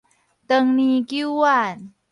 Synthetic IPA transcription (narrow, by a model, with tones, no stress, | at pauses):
t̪ə˧ŋni˧ki˦˥wwa˥˧˨n